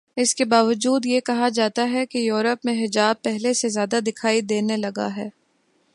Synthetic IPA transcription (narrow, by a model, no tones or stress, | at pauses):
ɪskebaːʋəd͡ʒuːd̪jekɐɦad͡ʒaːt̪aɦɛkejuːɾəpmẽɦɪd͡ʒaːb̚pɛɦlesezjaːd̪ad̪ɪkʰaːid̪eːnelɐɡa̰ɦɛː